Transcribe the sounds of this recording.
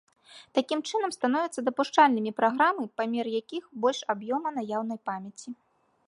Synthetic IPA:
t̪akʲimt͡ʂɨnɐmst̪anɔvʲɛt̪sɐd̪ɐpuʂt͡ʂalʲnɨmʲipɾaɣɾamɨpamʲɛrjakʲixbɔlʲʂabjɔmɐnajawnɐjpamʲjɐt͡sʲi

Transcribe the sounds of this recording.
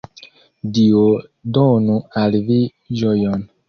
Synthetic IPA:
diodɔnũalivi | d͡ʒɔjɔn

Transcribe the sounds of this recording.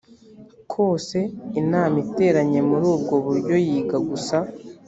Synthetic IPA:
kʰo̞ːse̞inaːmite̞ːɾaɲe̞muɾuːbɡo̞βuɾɟo̞jiːɡaɡusa

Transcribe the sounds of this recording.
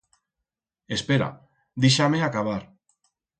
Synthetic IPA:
espeɾa̰ | d̪iʃameakaβaɾ

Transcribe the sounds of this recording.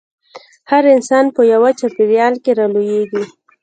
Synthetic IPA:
haɾɪnsɑnpəjawat͡ʃapeɾjɑlkeɾɑlojeɡi

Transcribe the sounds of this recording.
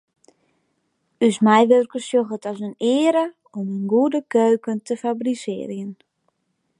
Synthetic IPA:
ysmɛjʋørkəsjoxətɔsənɪəɾə | ɔmənɡuədəkøːkəntəfabrisɪ̰ːrjən

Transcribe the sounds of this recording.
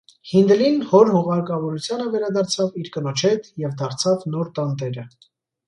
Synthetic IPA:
hind̪ɛlinhɔɾhuʁɑɾkɑvɔɾut͡sʰjɑnəvɛɾɑd̪ɑɾt͡sʰɑviɾkənɔt͡ʃʰɛt̪jɛvd̪ɑɾt͡sʰɑvnɔɾt̪ɑnd̪ɛɾə

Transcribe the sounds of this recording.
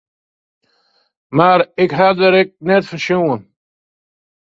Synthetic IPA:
maɾɪkɦad̪əɾɛk̚nɛt̪fəʃowən

